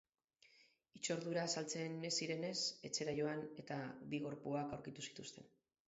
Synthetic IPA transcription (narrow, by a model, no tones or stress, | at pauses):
it͡ʃo̞ɾðuɾaːsalt͡se̞nesiɾe̞ne̞se̞t͡se̞ɾajo̞ane̞t̪abiɣ̞o̞ɾpuakawɾkit̪usi̥t̪ust̪e̞̰n